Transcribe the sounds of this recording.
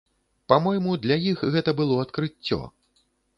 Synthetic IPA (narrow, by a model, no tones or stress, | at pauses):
pamɔjmud̪lʲɐjixɣɛt̪ɐbɨlˠɔɐt̪kɾɨt͡sʲːɔ̰